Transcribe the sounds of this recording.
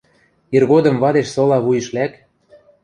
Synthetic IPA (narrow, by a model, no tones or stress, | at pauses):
irɣod̪ɤ̆mvɑd̪eʃsɤ̆lɑβujɤ̆ʃlæk